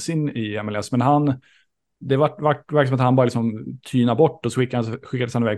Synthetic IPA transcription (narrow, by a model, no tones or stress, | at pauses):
sɪnːɪɛmɛlɛsmɛnɦan | d̪ɛvaʈːvaʈːvæɾkəsɔmat̪hanbɑɾlɪksɔmt̪ʰyːnabɔʈːɔsɔɧɪkːasɔɧɪkːad̪əshanɪvɛːɡ